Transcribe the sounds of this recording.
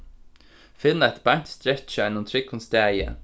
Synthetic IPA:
fɪnːəæɪt̪baɲt̪st̪ɾɛt͡ʃəɛnːʊmt̪ʰɾɪkʊnst̪æːjə̰

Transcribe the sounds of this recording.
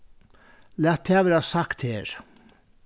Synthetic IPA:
læːt̪ʰːæːʋəɾɑːsɑkt̪heːɹ

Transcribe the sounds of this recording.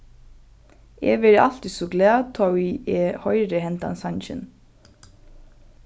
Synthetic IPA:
ɛ̰ːʋɛɾʔɑ̰l̥t̪isɔɡlɛːt̪ʰɔwiɛːhɔʏɾəhɛnt̪a̰nsɑnçɪ̰n

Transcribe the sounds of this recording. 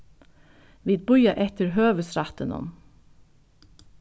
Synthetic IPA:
ʋiːd̪̚bʊʏɑʔɛt̪əɾɦøːʋəsɾɑt̪ənɔ̰m

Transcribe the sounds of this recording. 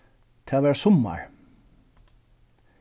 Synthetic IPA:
t̪ʰɑːʋæːɹsɔmɑ̰ɹ

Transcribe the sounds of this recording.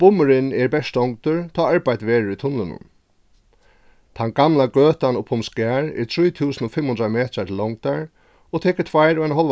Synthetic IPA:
pʊmʏɾɪnɛɹbɛʂt̪ɔŋkt̪ʏɹt̪ʰaːaɹpajt̪ʋeːɾɪɾit̪ʰʊnlɪnʊ̰n | t̪ʰanɡamlaɡøːt̪anɔpʰʊmskɛːɹɛ̰ɹt̪ʰɾujt̪ʰuːsənɔfɪmhʊnd̪ɾamɛːt̪ɾat̪ʰɪlːɔŋkt̪aɹ | ɔt̪ʰɛːkɪ̥t̪ʰvajɾajnɦɔl

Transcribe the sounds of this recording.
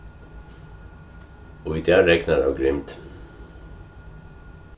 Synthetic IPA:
ɔid̪ɛːɹɛknaɹa̰wɡɾɪmt̪

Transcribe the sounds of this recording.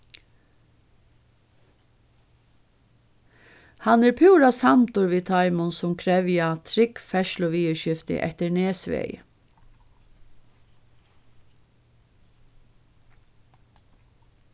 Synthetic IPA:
hanɛɾpʰuːɾasamt̪ʊɹʋiːt̪ʰaɪmʊnsʊmkʰɾɛʋjat̪ʰɾɪkfɛʃlʊʋiːəʃɪft̪ɪ̰ʔɛ̰ht̪əɹneːsʋɛ̰ːj̰

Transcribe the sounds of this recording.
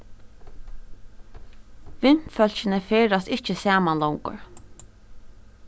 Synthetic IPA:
ʋɪn̥fœlʃɪnəfeːɹast̪ɪht͡ʃəsæːmanlɔwŋkʊ̰ɹ

